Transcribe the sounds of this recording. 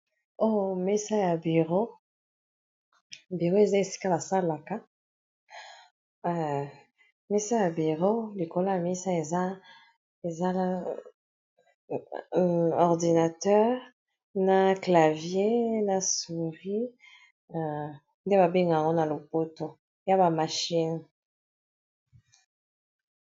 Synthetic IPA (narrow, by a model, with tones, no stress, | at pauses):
o˦˨mi˦sa˦ja˨bi˨ʁo˦ | bi˨ʁo˦e˨za˦e˨si̥˦ka˦ba˨sa˦la˨ka˦˨ | mɛ˦sa˦ja˨bi˨ʁo˦li˨ko˦la˦a˨mi˦sa˦e˨za˦ | e˨za˦˨ | ɔ˨ʁdi˨na˨tɛ˦ʁ | na˨kla˨vje˦na˨su˨ʁi˦˨ | nde˦ba˨bi˦ŋɡa˨a˨ŋɡo˦na˨lo˨po˦to˨ | ja˦ba˨ma˨ʃi˦n